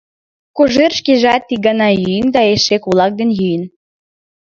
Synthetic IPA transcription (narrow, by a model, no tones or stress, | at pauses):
kuʒerʃkeʒɑt̪ːiɡɑnɑjyjənd̪ɑeʃekulˠɑk̚d̪enjyjə̆n